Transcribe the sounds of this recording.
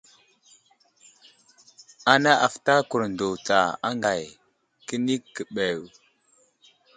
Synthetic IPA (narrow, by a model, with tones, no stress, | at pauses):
a˨na˦ʔa˨fta˦ku˨ɾndo˨t͡sa˨a˦ŋɡa˨j | kə˦ni˦kːə˨ɓe˨w